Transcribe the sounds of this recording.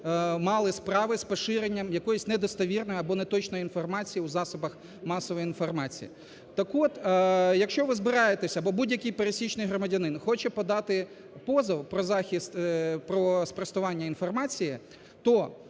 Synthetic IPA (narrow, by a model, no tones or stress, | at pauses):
mɑlˠɪspɾɑʋɪspɔʃɪɾenʲːɐmjɐkɔjʊsʲnɛd̪ɔst̪ɐʋʲirnɔjɐbɔnɛt̪ɔt͡ʃnɔjinfɔrmɑt͡sʲijiuzɑsʊbɐx | mɑsɔʋɔjiinfɔrmɑt͡sʲḭjḭ | t̪ɐkɔt̪jɐkʃt͡ʃɔʋɪzbɪɾɑjet̪esʲɐbɔbudʲjɐkɪjpeɾesʲit͡ʃnɪjɦɾɔmɐdʲɐnɪnxɔt͡ʃɛpɔd̪ɑt̪ɪ | pɔzɐwpɾɔzɑxʲist̪pɾɔspɾɐst̪ʊʋɑnʲːɐinfɔrmɑt͡sʲijɪ | t̪ɔ